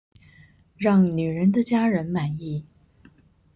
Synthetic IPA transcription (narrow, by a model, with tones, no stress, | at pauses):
ɻɑ˥˩ŋny˨˩ɻə˧˥nd̪ə˧t͡ɕja˥ɻə˧˥nma˨˩ni˥˩